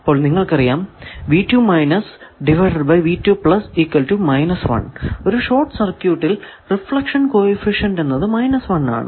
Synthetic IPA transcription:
pːoːɭniŋːɐɭkɐrijaːmʋiːtːjuːmɐjnɐsɖiʋɐʈɐɖ̚bɐjʋiːtːjuːpɭɐsiːkːʋɐlʈumɐjnɐsʋɐ̰ɳo̞ɾuʂo̞ːrʈsɐrkjuːʈːil | rifɭɐkʂɐnkoːefiʂɐɳɖe̞nːɐðɨmɐjnɐsʋɐnːa̰ːɳɨ̰

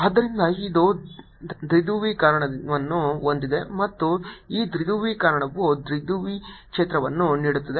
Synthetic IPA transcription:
aːd̪ːɐɾind̪ɐid̪u | d̪ɾid̪uːʋikaːɾɐɳɐʋɐnːuond̪id̪e̞mɐt̪ːuiːd̪ɾid̪uːʋikaːɾɐɳɐʋːud̪ɾid̪uːʋikʂeːt̪ɾɐʋɐnːuniːɽut̪ːɐd̪e

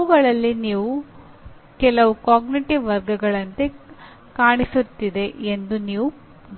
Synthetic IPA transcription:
uɡɐɭɐlːiniːʋu | kɛlɐʋukaːɡniʈiʋːɐɾɡɐɡɐɭɐnt̪e̞ | kaːɳisut̪ːid̪e̞ʔend̪uniːʋu

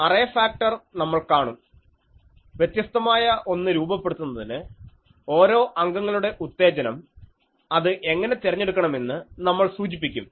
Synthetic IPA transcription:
ɐrɐːɐfaːk̚ʈɐrnɐmːɐɭkaːɳum | ʋjet̪jɐst̪ɐmaːjɐʔo̞nːɨɾuːbɐpːe̞ɽut̪ːunːɐðinɨ | o̞ːɾo̞ːʔɐŋɡɐŋːɐɭuɽe̞ʔut̪ːe̞ːd͡ʑɐnɐm | ɐðɨʔe̞ŋːɐne̞t̪irɐɲːe̞ɽukːɐɳɐme̞nːɨnɐmːɐɭsuːd͡ʑipːikʲːum

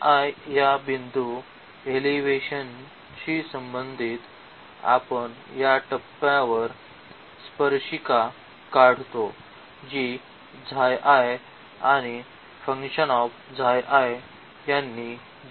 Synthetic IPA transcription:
ajjabind̪ʱu | eliʋeɕən | t͡ɕisəmbənd̪ʱiːt̪ | a̰pəɳ | jaʈəpːjãʋəɾ | spəɾɕika | kaɽ̤t̪o | d͡ʑi | d͡zʱajʔaje | aɽ̃i | fəŋkɕənɔf | d͡zʱajʔae | janːi

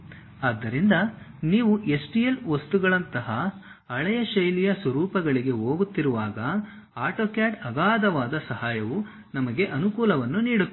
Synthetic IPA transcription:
aːd̪ːɐɾind̪ɐniːʋuʔe̞sʈijelʋɐst̪uɡɐɭɐnt̪ɐɦɐː | ɭɛjɐʃɐjlijɐsʋɐɾuːpɐɡɐɭiɡe̞ɦoːɡut̪ːiɾuʋaːɡɐ | aːʈoːkjaːʈɐbaːd̪ɐʋaːd̪ɐsɐhaːjɐʋu | nɐmɐɡe̞ʔɐnukuːlɐʋɐnːuniːɽut̪ː

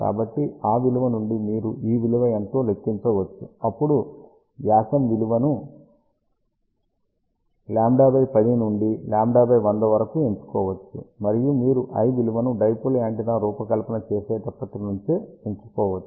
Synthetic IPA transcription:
ka̰ːbɐʈːiaːʋiluʋɐnuɳɖimiːɾuiːʋiluʋɐent̪oːlekːiɲt͡ʃɔːʋɐt͡ʃːuɐpːuɽu | ʋjaːsɐmʋiluʋɐnu | laːmɖaːbɐjpɐd̪inuɳɖilaːmɖaːbɐjʋɐnd̪ɐʋɐɾɐkueɲt͡ʃu̥kɔːʋɐt͡ʃːṵmɐɾijumiːɾuʔɐ̰jʋiluʋɐnuɖɐjpulaːɳʈinɐɾuːpɐkɐlpɐnɐt͡ʃeːseːt̪ɐpːɐt̪ulɐnuɲt͡ʃieɲt͡ʃu̥kɔːʋɐt͡ʃːu̥

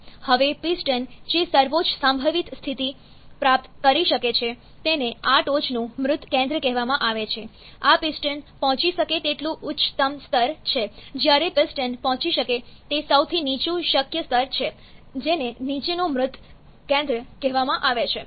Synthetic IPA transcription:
həʋepisʈənd͡ʒesəɾʋot͡ʃsəmbʱəʋit̪st̪ʰit̪i | pɾap̚t̪kəɾiʃəket͡ʃʰe | t̪eneaʈot͡ʃnũmɾʊt̪kɛ̃nd̪ɾəkɛɦʋamãʔaʋet͡ʃʰe | apisʈənpɔ̃ɦɔ̃t͡ʃiʃəket̪eʈlũʔʊtːt͡ʃt̪əmst̪əɾt͡ʃʰed͡ʒjaɾepisʈənpɔ̃ɦt͡ʃiʃəket̪esəwt̪ʰinit͡ʃũʃəkjəst̪əɾt͡ʃʰe | d͡ʒenenit͡ʃenũmɾʊt̪ː | kɛ̃nd̪ɾəkɛɦʋamãʔaʋet͡ʃʰe

